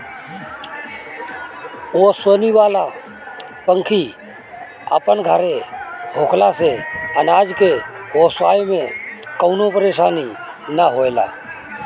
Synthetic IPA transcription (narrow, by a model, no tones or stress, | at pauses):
osəniʋaːla | pəŋkʰi | a̰ːpənɡʱəɾeɦoːkʰlaseənaːd͡ʒkeosaːjmẽkəʊnopəɾeːsaːni | nəɦoːela̰ː